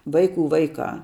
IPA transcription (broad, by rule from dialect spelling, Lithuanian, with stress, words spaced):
ˈʋɐɪˌkuː ˈʋɐɪˌkɑː